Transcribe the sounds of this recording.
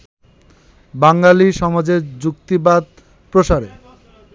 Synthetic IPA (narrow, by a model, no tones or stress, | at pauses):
baŋɡaliʃɔmad͡ʑeɾd͡ʑuk̚t̪ibad̪̚ | pɾoʃaɾḛ